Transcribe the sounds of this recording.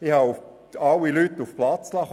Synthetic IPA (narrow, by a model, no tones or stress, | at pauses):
ɪhɑʊf | ɑwilytːʊfplɑt͡slɑχ